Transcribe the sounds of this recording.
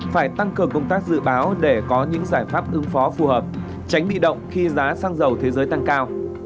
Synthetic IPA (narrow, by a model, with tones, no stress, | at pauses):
faː˧˩jt̪a˧ŋkɨ˨˩əŋkə˧wŋ͡mt̪aː˦˥k̚zɨ̰˧˨ɓaː˨˦wɗe˧˩kɔ˨˦ɲɨ̰˧˥ŋzaː˧˩jfaː˦˥p̚ʔɨ˨˦ŋfɔ˨˦fu˨˩həː˨˩p̚ | t͡ɕa˨˦ŋɓḭ˧˨ɗə̰˧˨wŋ͡mxi˧zaː˨˦saː˧ŋzə˨˩wt̪ʰe˨˦zəː˨˦jt̪a˧ŋkaː˧w